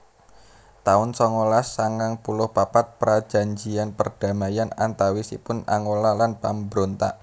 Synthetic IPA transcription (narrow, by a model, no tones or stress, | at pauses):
t̪aʊnsɔŋolasaŋaŋpulʊhpapat̪̚pɾḁd͡ʒ̥a̤ɲd͡ʒianpərd̥a̤majanant̪awisḭpʊna̰ŋolalanpambɾont̪a̰ʔ